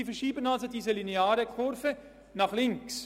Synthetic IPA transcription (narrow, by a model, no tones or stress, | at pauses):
ifɛʃiːbənɑlsodiːzəlineɑːɾəkʰʊɾfə | nɑχlɪŋks